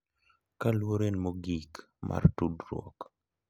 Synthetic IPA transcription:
kalwoɾenmoɡik | mʔa̰rtudɾwɔ̰k

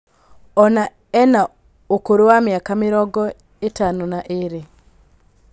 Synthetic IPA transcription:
ɔna | ɛna | okoɾowamjakameɾɔɡɔ | etanonaʔeɾe

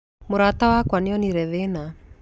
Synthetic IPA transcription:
muɾat̪awakwaniɔniɾɛðena

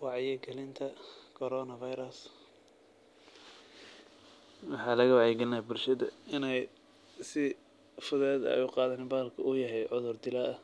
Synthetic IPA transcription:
wɑʕjɛɡɛlɪnt̪ʰɐkʰɔɾɔːnɐvɐjɾɐs | wɑħɑːlɐɣɐwɑʕjɛɡɛlɪnaːbʊlʃɐðɐɪnɛj | sɪ | fʊðɛːðɐ̰ʔɛ̰jʊqɑːðɐnɪbaːlkʰɐʔʊjɐɦɛjʕʊðʊrd̪ɪlɐɐ

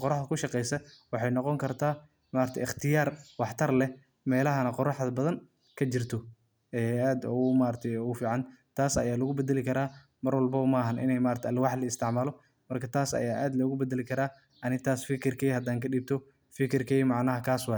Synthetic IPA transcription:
qɔɾɑħɐkʰʊʃɑqɛjsɐwɑħɑjnɔqɔŋkʰɐrt̪ʰaː | maːɾt̪ʰɛ̰ɪχt̪ʰɪjaːrwɑħt̪ʰɐrlɛ | mɛːlɐɦɐnɐqɔɾɑħðɐbɐðɐn | kʰɐt͡ʃɪrt̪ʰɔ | ɛaːd̪ʊmaːɾɐt̪ʰɛjʊfiːʕɑnt̪ʰaːsɐ̰jaːlɐɣʊbɛd̪ɐlɪkʰɐɾaː | mɐrwɐlbɐmɐɦɐnʔɪ̰nɛjmaːɾt̪ʰɛɐlwɑħlɐɪst̪ʰɪʕmaːlɔ | mɐrkʰɐt̪ʰaːsɐ̰jaːʔaːd̪lɔɣʊbɛd̪ɐlɪkʰɐɾaː | ʔɐnɪnt̪ʰaːsfɪkʰɪrkʰɛjhɐd̪aːŋkʰɐɗiːb̚t̪ʰɔ | fɪkʰɪrkʰɛjmɑʕnɐɦɐkʰaːswɑj

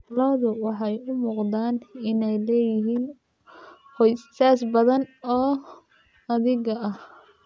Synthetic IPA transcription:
lɔðʊwɑħɑjʊmuːqd̪aːnɪnɛjlɛːjɪɦiːn | hɔjsaːsbɐðɐnɔː | ɐðɪɣɐɐh

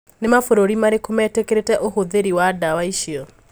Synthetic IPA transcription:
nemafoɾoɾimaɾekomɛtekeɾetɛʔoɦoðeɾiwadawaiʃil

